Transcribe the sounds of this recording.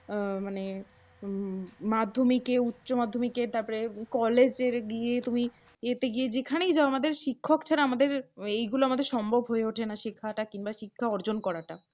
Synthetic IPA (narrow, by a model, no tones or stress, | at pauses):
mane | mad̪ʱːomikeutːɕomad̪ʱːomikeɾt̪aɾpɔɾekɔled͡ʑeɾɡijet̪umi | et̪eɡijed͡ʑekʰanejd͡ʑaoamad̪eɾʃikʰːokt͡ɕʰaɾaamad̪eɾejɡuloamad̪eɾʃɔmbʱobʱɦoeoʈʰenaʃikʰːaʈakinbaʃikʰːaɔɾd͡ʑonkɔɾaʈa